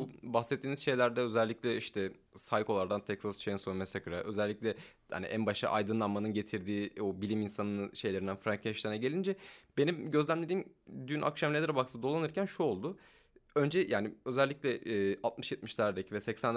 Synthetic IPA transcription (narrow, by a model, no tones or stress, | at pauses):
ubaxsɛt̪ʰːiːnizʃe̞jlʲæɾd̪ɛø̞zælʲːiclʲɛiʃt̪ʰɛ | sajko̞lˠaɾd̪ant̪ʰɛksast͡ʃʰejinsomɛsakɯɾaʔø̞zælʲːiclʲɛ | ha̰nḭʔænbaʃa̰ʔajd̪ɯnlˠanmanɯnɟe̞t̪ʰiɾd̪iːobilʲiminsanɯnɯʃe̞jlʲeɾinænfɾaŋkʰeʃt̪aɾnɛɟe̞lʲind͡ʒɛb̥e̞nimɟø̞zlʲæmlʲed̪iːm | d̪ynʔa̰kʃamnʲed̪ʲeɾabak̚t̪d̪o̞lˠanɯɾcʰænʃuo̞lˠd̪ʊ | ø̞nd͡ʒɛjaːnɪø̞zɛlʲːiclʲɛːalˠt̪̚mɯʃjet̪̚miʃlʲaɾd̪ecʰivɛsɛcsæn